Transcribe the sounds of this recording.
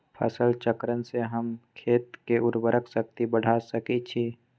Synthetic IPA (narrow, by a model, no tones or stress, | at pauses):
pʰə̰səlt͡ʃəkɾənseɦəmkʰeːt̪keʊɾbəɾəksək̚t̪ibəɽ̤asəkit͡ʃʰi